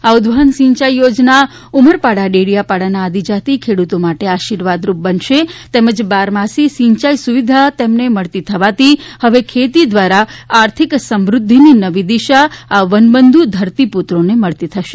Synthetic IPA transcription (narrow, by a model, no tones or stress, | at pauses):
aud̪ʋənsĩɲt͡ʃajjod͡ʒna | uməɾpaɽaɖeɽijapaɽanaːd̪id͡ʒat̪ikʰeɽut̪omaʈeaʃiɾʋad̪ɾup̚bənʃet̪eməd͡ʒbaɾmasisĩɲt͡ʃajsuʋid̪ʱat̪emneməɭt̪it̪ʰəʋat̪ihəʋekʰet̪id̪ʋaɾaaɾt̪ʰiksəmɾʊd̪ʱːininəʋid̪iʃaːʋənbənd̪ʱud̪ʱəɾt̪iput̪ɾoneməɭt̪it̪ʰəʃe̥